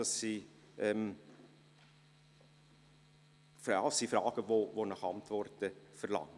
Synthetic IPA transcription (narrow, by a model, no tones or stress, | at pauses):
ɑsːi | ʔɛm | fsːifɾɑːɡ̥əvovonɔχɑnt̪vɔrtəfəɾlɑ̰ŋ